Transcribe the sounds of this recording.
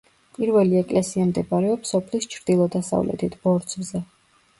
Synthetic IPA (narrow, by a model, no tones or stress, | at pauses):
pʼiɾvɛliɛkʼlɛsiamd̪ɛbaɾɛɔpsɔpʰlist͡ʃʰɾd̪̥ilˠɔd̪asa̰vlɛ̰t̪ʰit̪ʰbɔɾt̪sʰvzɛ